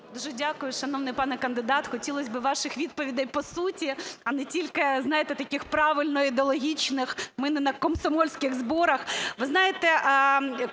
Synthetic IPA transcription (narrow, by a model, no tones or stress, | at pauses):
d̪uʒɛdʲakʊjʊʃɐnɔʋnɪjpɑnɛkɐnd̪ɪd̪ɑt̪xɔtʲilˠɔsʲbɨʋɑʃɪxʋʲid̪̚pɔʋʲid̪ɐjpɔsutʲiɐnɛtʲilʲkɪznɑjet̪ɛt̪ɐkʲɪxpɾɑʋɪlʲnɔid̪eɔlˠɔɦʲit͡ʃnɪxmɪnɛnɐkɔmsɐmɔlʲsʲkɪɣzbɔɾɐxʋɪznɑjet̪ɛʔ